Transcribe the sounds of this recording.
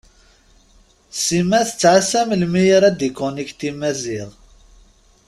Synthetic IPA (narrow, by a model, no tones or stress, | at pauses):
simæθət͡sːʕasæməlmijəɾæd̪ikonikt̪imæziʁˤ